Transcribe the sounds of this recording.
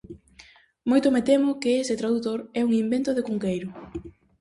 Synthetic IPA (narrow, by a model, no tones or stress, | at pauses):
mojt̪omet̪emʊkeesɪt̪ɾaðut̪oɾɛuŋimbent̪oðekuŋkejɾʊ